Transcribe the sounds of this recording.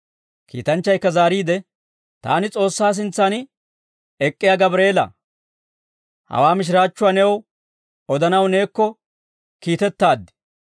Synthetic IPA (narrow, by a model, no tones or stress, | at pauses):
kḭːt̪ɐnt͡ʃːɐjkːɐzaːɾiːd̪ɛ | t̪a̰ːnɪt͡sʼo̞ːsːaːs̬ɪnt͡sːaːnɪ | ɛkʼːɪjaɡɐbɾe̞ːlɐ̰ | hɐ̰waːmɪʃ̬ɾaːt͡ʃːʊaːnɛw | ɔd̪ɐnɐwne̞ːkːɔ | kiːt̪ɛt̪ːaːd̪ːɪ̥